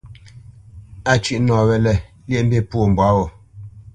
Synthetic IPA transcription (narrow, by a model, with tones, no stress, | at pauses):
a˦t͡ʃi˦ʔnɔ̃ː˨wɛ˨lɛ˨ | ljɛ˦˨m̩˦be˦˨pwo˦˨m̩˨bwa˨˦wɔ˨